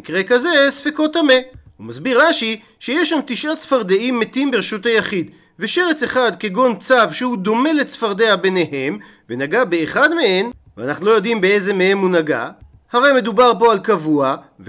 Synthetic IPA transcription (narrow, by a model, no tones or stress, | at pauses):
ikʁe̞kaze̞sfeko̞t̪ame̞humazbiʁːaʃi | ʃe̞jeʃːamt̪iʃʔatsfaʁd̪eʔimːetimbeeʃutejaχid̪ | veʃe̞ʁet͡se̞χad̪ke̞ɡo̞nt͡savʃehud̪o̞me̞let͡sfaʁd̪e̞abe̞ne̞ɦe̞m | venaɡabeːχadmee̞nvea̰naχnulo̞jo̞d̪imbeejze̞mehemunaɡa̰ | haʁe̞jme̞d̪ubaʁpo̞alkavua | v